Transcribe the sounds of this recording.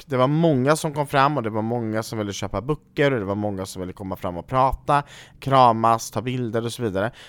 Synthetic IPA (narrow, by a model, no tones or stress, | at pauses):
kd̪ɛvaɾmɔŋːasɔmkɔmːfɾamːɔd̪ɛvaɾmɔŋːasɔmvɪlːəɕøːpabɵkːəɾɔd̪ɛvaɾmɔŋːasɔmvɪlːəkʰɔmːafɾa̰mːɔpʰɾɑːt̪akʰɾɑːmast̪ʰɑːbɪld̪əɾɔsɔviːd̪aɾə